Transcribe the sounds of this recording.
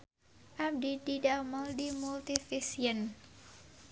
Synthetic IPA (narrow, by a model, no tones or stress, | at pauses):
ʔab̚dididaməldimult̪ifisiən